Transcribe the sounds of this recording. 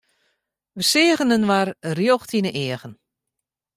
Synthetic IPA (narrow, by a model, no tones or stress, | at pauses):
ʋəsɪːəɣənənʋarrjoxtʰinəʔɪəɣən